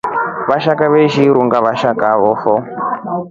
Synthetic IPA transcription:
βaʃakaβeʃiɾuŋɡaβaʃakaβɔːfɔ

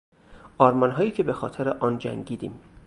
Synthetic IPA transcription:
ʔɒːɾmɒnɦɒːjiːcʰe̞be̞xɒ̰ːt̪ʰeɾeʔɒːnd͡ʒæ̰ŋɟiːd̪ḭːm

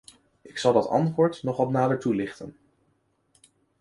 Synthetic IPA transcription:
ʔɪksɑlˠdɑtɑ̰ntʋʊːɹtnɔχɑtnaːdəɹtulɪχtən

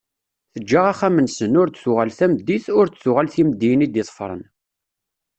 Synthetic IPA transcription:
θəd͡ʒːaʁaχæmənsənʊɾd̪θʊʁælθæmd̪ːiθʊɾt͡s̪θʊʁælθiməd̪ːijənid̪ɪðˤə̥fɾˤə̰n

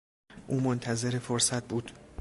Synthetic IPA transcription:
ʔuːmont̪ʰæze̞ɾe̞foɾsæt̪̚buːd̪̥

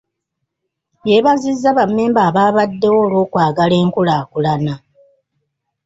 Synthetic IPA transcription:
jeβazizːaβamːeːmbaːβaːβadːe̞wo̞ːlwo̞ːkwaːɡale̞ːŋkulaːkulana

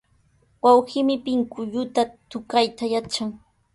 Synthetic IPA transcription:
wawhɪmɪpɪŋkʊʎʊt̪at̪ʊkajt̪ajat͡ʃaŋ

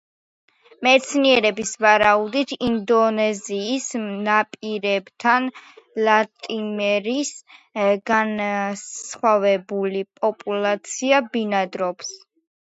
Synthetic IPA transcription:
mɛt̪sʰniɛɾɛbisvaɾaud̪it̪ʰind̪ɔnɛziːsmnapʼiɾɛbt̪ʰanlˠat̪ʼimɛɾis | ɡansχwavɛbulipʼɔpʼulˠat̪sʰiabinad̪ɾɔps

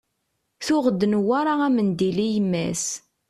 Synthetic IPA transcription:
θʊʁəd̪ːənwaɾˤaæmənd̪ilijəmːæ̰s

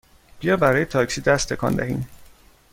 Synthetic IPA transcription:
b̥ijɒmbæɾɒːjet̪ʰɒːcsiːd̪æst̪ʰːe̞kʰɒ̰ːnd̪æhḭːn

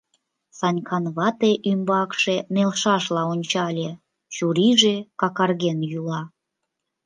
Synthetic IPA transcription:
sɑnʲkʰɑnβɑt̪eʔymbɑkʃenelʃɑʃlɑonʲt͡ɕɑlʲe | t͡ɕuɾiʒekɑkɑrɣenjulɑ

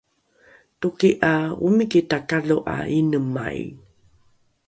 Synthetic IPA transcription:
tukiʔaumikitakaɮoʔa̰inəma̰j̰

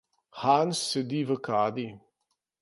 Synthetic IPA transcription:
xansːɛd̪iːʋəkaːd̪i

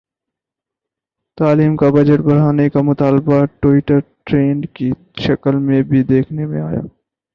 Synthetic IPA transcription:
t̪aːliːmkabɐd͡ʒəʈbɐɽ̤aːnekamʊt̪aːlbaʈoɪʈəɾʈɾeːɳɖki | ʃɐkəlmẽbʱid̪eːkʰnemḛ̃aːja̰ː

